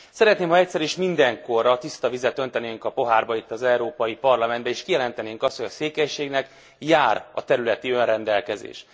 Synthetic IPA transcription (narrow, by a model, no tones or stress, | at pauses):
sɛɾɛt̪neːmhɒɛc̚ʲsɛɾiʃmind̪ɛŋko̞rɒt̪ist̪ɒvizɛt̪ø̞nt̪ɛneːŋkɒpo̞ɦaːrbɒit̪ːɒzɛuɾoːpɒjipɒrlɒmɛnd̪bɛiːʃkijɛlɛnt̪ɛneːŋkɒst̪ho̞jɒseːkɛjʃeːɡnɛk | jaːɾɒ̰t̪ɛɾylɛt̪iø̞nrɛnd̪ɛlkɛzḛːʃ